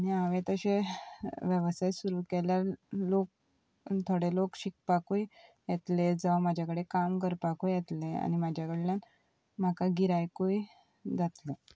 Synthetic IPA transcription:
añiaʋẽt̪əɕe | ʋjəʋsajsuɾuːkeljaɾlok̚ | t̪ʰoɽelokɕik̚pakuj | jɛt̪led͡zaʋamad͡ʑʱjakəɽekamkəɾpakujjɛt̪lea̰ñimad͡ʑʱjakəɽeljan | m̤akaɡiɾajkui | d͡zat̪le

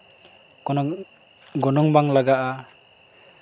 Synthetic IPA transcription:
kɔnɔ | ɡɔnɔŋbaŋlaɡaʔa

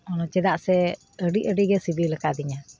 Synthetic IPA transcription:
ɔnɔt͡ʃɛd̪aʔsɛ | əɖiʔəɖiɡɛsibilɛkad̪iɲa

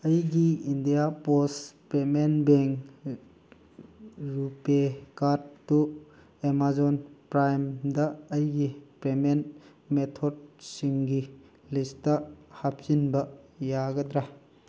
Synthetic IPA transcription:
ɐjɡiindijapospɾemenbeŋ | ɾupekaɾdtːu | emazonpɾajmdɐːjɡipɾemen | metʰod̚siŋɡi | listɐhap̚sinbɐjaɡɐdɾa

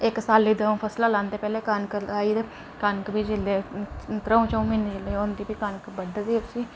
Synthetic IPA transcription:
ɪksaːlːiːd̪əũpʰəslaːlãːnd̪eːpɛːleːkankəɾaːid̪ | kankbʱiːd͡ʒɪlːeːt̪ɾəũt͡ʃəũmɪnd͡ʒɪleːond̪iːbiːkankbəɖad̪eːbsiː

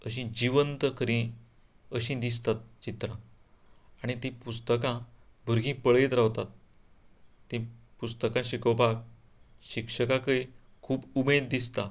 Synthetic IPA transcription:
əɕ̬ĩd͡ʑiʋənt̪əkʰəɾĩ | əɕĩd̪ist̪at̪̚t͡ɕit̪ɾã | aɽ̃it̪ĩpust̪əkãbʱuɾɡĩpəɭet̪ɾaʋt̪at̪̚ | ĩ | pust̪əkãɕikəwpak̚ | ɕikʂəkãkəe | kʰuːpumed̪d̪ist̪a

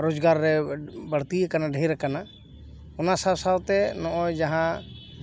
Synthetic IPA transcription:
ɾod͡ʒɡaɾːɛbəɽ̤t̪iɛkanaɖʱəjɾɛkana | ɔnasawsawt̪ɛnɔ̃ʔɔjd͡ʒaɦã

